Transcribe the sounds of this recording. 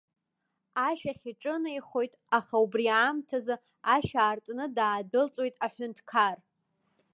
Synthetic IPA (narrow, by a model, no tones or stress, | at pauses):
aʃaχʲiʈ͡ʂʼɨnaiχo̞jtʼaχaubriamtʰazɨ | aʃaːrtʼnɨdaːdɨlt͡sʼwo̞jtʼaħʷᶣʊntʰkʰar